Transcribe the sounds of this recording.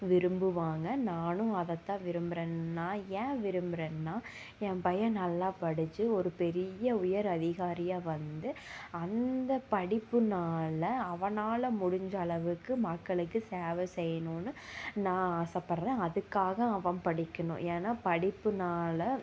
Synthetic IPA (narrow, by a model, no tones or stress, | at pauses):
ʋɪɾɯmbɯʋaːŋɡɐnaːnʊ̃ɐðɐt̪ːãːʋɪɾɯmbɪɾeːnnaːjɛ̃ːʋɪɾɯmbɪɾeːnːaː | ɛ̃pɐjɐ̃nɐlːaːpɐɽɪt͡ʃːɯɔɾɯpɛɾɪjɐʊjɐɾɐðɪɣaːɾɪjaːʋɐnd̪ɯɐnd̪ɐpɐɽɪpːɯnaːlɐɐʋɐnaːlɐmʊɽʊɲd͡ʒɐɭɐʋɯkːɯmɐkːɐɭɯkːɯseːʋɐsɛjːɐnoːnɯnãːaːsɐpːɐɾɐðɐ̃ɐðɯkːaːɣɐɐʋɐ̃mpɐɽɪkːɐnʊ̰̃ʔeːnaːpɐɽɪpːɯnaːlɐ